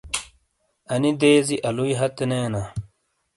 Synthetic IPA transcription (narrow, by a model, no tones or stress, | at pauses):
ɐnid̪eːziʔɐluiɦɐt̪eneːna